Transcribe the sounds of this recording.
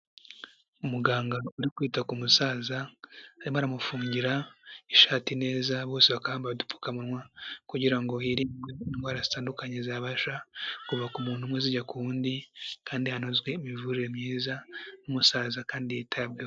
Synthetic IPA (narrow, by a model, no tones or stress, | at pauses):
umuɡaːŋɡauɾikwiːtakumusaːzaːɾimaɾamufuːɲɟiɾaiʃaːtine̞ːzaβoːseβakahaːmbaβadupu̥kamunwakuɟiɾaŋɡo̞iɾiŋɡweinɡwaːɾazitaːndukaɲezaβaʃakuvakumuːnhumweziɟakuuːndikaːndihanozɡwe̞imivuɾiɾe̞mɲiːzanumusaːzakaːndijetʰabɡe